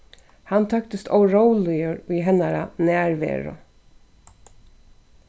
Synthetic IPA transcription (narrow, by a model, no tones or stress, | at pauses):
hant̪ʰœkt̪ɪst̪ʰɔwɾɔwlɪjəɾiɦɛnːaɾa̰næːɹʋɛ̰ːɾʊ̰